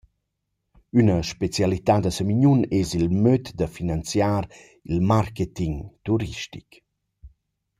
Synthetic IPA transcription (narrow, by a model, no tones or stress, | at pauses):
ynəʃpet͡sjalit̪ad̪əsəmiɲunezilmøt̪d̪əfinant͡sjaːɾ | ilmarket̪iŋt̪uɾiʃtik